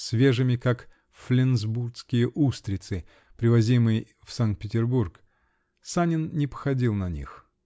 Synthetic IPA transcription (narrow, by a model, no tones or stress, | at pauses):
sʲvʲe̞ʐɨmʲɪkak | flʲɪnzburt̪skʲɪjəʔust̪ɾʲɪt̪sɨ | pɾʲɪvɐzʲimɨjə | fsank̚t̪̚pʲɪtʲɪrburk | sanʲɪnnʲɪpə̥xɐdʲilˠnɐnʲḭx